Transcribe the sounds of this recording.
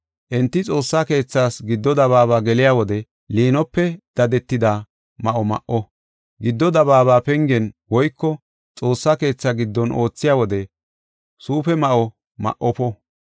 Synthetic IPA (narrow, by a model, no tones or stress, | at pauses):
ʔɛnt̪ːɪt͡sʼo̞ːsːaːke̞ːt͡sːaːsɡɪd̪ːɔd̪ɐβaːβaːɡɛlɪjaːwɔd̪ɛ | liːnɔpːɛd̪̥ɐd̪ɛt̪ːɪd̪a | mɐʔɔmɐ̰ʔɔ | ɡɪd̪ːɔd̪ɐbaːβaːpɛŋɡɛnwɔjkːɔ | t͡sʼo̞ːsːaːke̞ːt͡sːaɡɪd̪ːɔnʔo̞ːt͡sːɪjaːwɔd̪ɛ | suːpɛmɐʔɔ | mɐ̰ʔɔpɔ